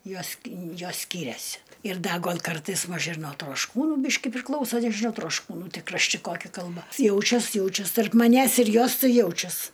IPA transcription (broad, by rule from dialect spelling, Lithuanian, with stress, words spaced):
ˈjoːs kʲɪ ˈjoːs ˈsʲkʲiːrʲɛsʲɪ ɪr ˈdɐ ˈɡoːlʲ ˈkɐrtɐɪs ˈmɐʃ ɪr nuɔ troːʃˈkuːnuː ˈbʲiːʃʲkʲɪ pʲrʲɪˈklˠɐʊsɐ nʲɛʒʲɪˈnɐʊ troːʃˈkuːnuː ˈtʲɪ krɐʃʲˈtʲɪ ˈkoːkʲɪ kɐlˠˈbɐ ˈjɛʊt͡ʃʲɛs ˈjɛʊt͡ʃʲɛs tɐrp mɐˈnʲæːs ɪr ˈjoːs ˈtɐɪ ˈjɛʊt͡ʃʲɛs